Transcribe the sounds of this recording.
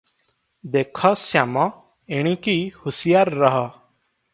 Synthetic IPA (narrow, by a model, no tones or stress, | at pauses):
d̪ekʰɔsjamɔ | eɽ̃ĩkihusijaɾːəɦɔ